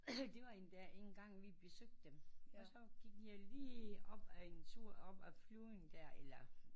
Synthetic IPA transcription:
d̥e̝ʋɑ̈end̥æɐe̝ŋn̩ɡ̥ɑ̈ŋ̰ʋib̥e̝søɡ̥̚d̥ːemɒ̽sɒ̽ɡ̥iɡ̥jɑ̈ɪliːɒb̥æent͡sʰuɐ̰ɒb̥æfluðˠnd̥æɐ̰elɐ

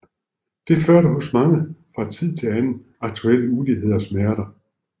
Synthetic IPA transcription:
d̥e̝føɐɾəɦɔ̽smɑ̈ŋəfʁɑ̈t͡sʰið̰ˠt͡sʰe̝lænn̩ | ɑ̈ɡ̥̚t͡sʰuel̰muːliɦe̝ð̞̰ˠɒsmæɐɾ̥ɐ

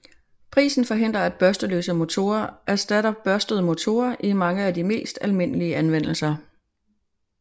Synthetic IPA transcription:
pʰʁḭːsn̩fɒ̽ɦe̝n̰d̥ʁɐæd̥̚b̥ɶɐsd̥əlø̰ːsəmo̝t͡sʰo̝̰ːɐʔæsd̥æd̥ɒb̥̚b̥ɶɐsd̥əð̞̩ˠmo̝t͡sʰo̝̰ːɐʔimɑ̈ŋəædime̝̰ːsd̥ælme̝n̰əliəʔænʋen̰l̩sɐ

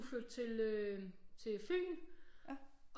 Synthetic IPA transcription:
føɐd̥̚t͡sʰe̝løt͡sʰe̝fy̰ːn | ɡ̥

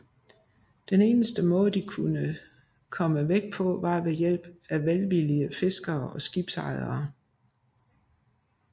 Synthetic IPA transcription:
d̥ene̝ːnəsd̥əmɔ̽ːðˠd̥ikʰunə | kʰɒ̽məʋeɡ̥̚pʰɒ̽ʋɑ̈ʋe̝jel̰b̥æʋelʋiliəfe̝sɡ̥ɐːɒ̽sɡ̥ib̥sɑ̈ɪðˠɐː

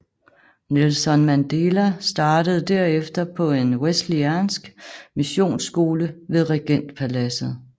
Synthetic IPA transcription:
nelsɒ̽nmænd̥e̝læsd̥ɑ̈ːd̥əð̞̩ˠd̥æɐ̰efd̥ɐpʰɒ̽e̝nwesd̥liænsɡ̥miɕo̝̰ːnsɡ̥o̝ːləʋe̝ðˠʁeɡ̥en̰d̥pʰælæsð̩ˠ

